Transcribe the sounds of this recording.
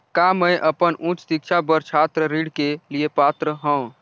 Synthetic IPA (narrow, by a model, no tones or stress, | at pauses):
kamə̃jʔəpənʔũt͡ʃsik̚t͡ʃʰabəɾt͡ʃʰat̪ɾəɾiɽkeliepat̪ɾəɦə̃w̃